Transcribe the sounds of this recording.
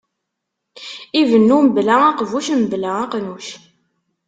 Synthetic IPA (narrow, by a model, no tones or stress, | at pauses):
ivənːuməblææqvuʃməblæɑqnuʃ